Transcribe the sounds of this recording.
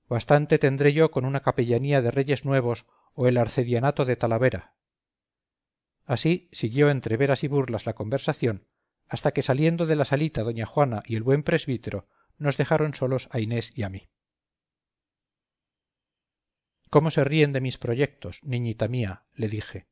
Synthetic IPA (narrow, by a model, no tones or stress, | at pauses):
bast̪ant̪e̞t̪e̞nd̪ɾe̞ʝo̞ko̞nunakape̞ʎaniaðe̞re̞ʝe̞znwe̞β̞o̞s | o̞e̞laɾθe̞ðjanat̪o̞ðe̞t̪alaβe̞ɾa | asisiɣjo̞e̞nt̪ɾe̞βe̞ɾasiβuɾlazlako̞mbe̞ɾsaθjo̞n | ast̪ake̞salje̞nd̪o̞ðe̞lasalit̪aðo̞ɲaxwanaʔie̞lβwe̞mpɾe̞zβit̪e̞ɾo̞ | no̞zðe̞xaɾo̞nsolo̞saine̞siami | ko̞mo̞se̞rie̞nd̪e̞mispɾo̞ʝe̞k̚t̪o̞snĩɲit̪amia | le̞ðixe̞